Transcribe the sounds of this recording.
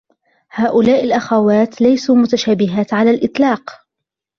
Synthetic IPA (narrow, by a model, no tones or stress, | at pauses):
haːʔʊlaːʔɪlʔaxawaːt̪lajsuːmʊt̪aʃaːbɪɦaːt̪ʕalaːlʔɪt̪ˤlɑːq